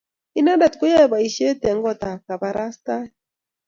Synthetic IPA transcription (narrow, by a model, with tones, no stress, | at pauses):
i˦na˦da˨t̪ku˦ja˦˨ba˨i˨ʃe˦t̪ɛ˨ŋɡɔ˦t̪a˨ka˨ba˨ɾa˦st̪a˦